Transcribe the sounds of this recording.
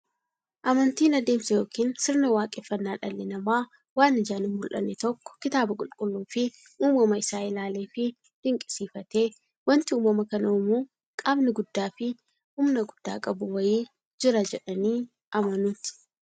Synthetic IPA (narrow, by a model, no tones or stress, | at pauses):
ʔɐmɐnt̪iːnɐd̪eːmsɐjo̞ːkiːnsɪɾnɐwaːkʼɛfːɐnːaːᶑɐlːɪnɐmaː | waːnɪd͡ʒaːnɪmmʊlʔɐ̰nːɛt̪ɔkːɔ̥kɪt̪aːbɐkʼʊlkʼʊlːuːfɪ | ʔuːmɐmɐɪsaːɪlaːle̞ːfɪ | d̪̥ɪŋkʼɪsiːfɐt̪e̞ː | wɐnt̪ɪuːmɐmɐkɐnɐoːmuː | kʼaːbnɪɡʊd̪ːaːfɪ | hʊmnɐɡʊd̪̥ːa̰ːkʼɐbʊwɐjiː | d͡ʒɪɾɐd͡ʒɛᶑɐniː | ʔɐmɐnuːt̪ɪ̥